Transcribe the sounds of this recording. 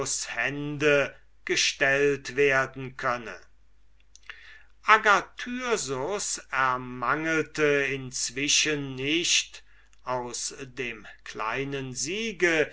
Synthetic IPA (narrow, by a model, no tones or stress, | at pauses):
shɛndə | ɡ̥əʃtɛltv̥eːɐdn̩kʰœnə̰ | ʔaɡatʰyɐzʊsɛɐmaŋəltəɪnt͡sv̥ɪʃənːɪʃt | ʔaʊsdeːmkla̰ɪnənziːɡə